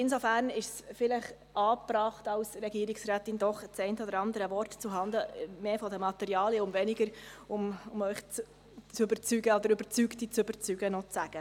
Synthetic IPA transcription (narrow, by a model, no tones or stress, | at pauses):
ɪnsofæːɾnɪʃsfɪləχ | ɑːprɑːχtɑʊsrɛɡiːɾɪksɾæːt̪ɪnd̪ɔχt͡sɛɪntəɔd̪əɾɑnd̪əɾəvɔrt̪t͡suɦɑnd̪əmeːfɔdəmɑt̪ɛɾiɑːljəʊmvɛnɪɡəɾʊmʊmœʏχt͡s | t͡sʏbəɾt͡syɡəod̪əɾybəɾt͡syktit͡søbəɾt͡syɡ̥ənɔt͡sːæɡ̥ə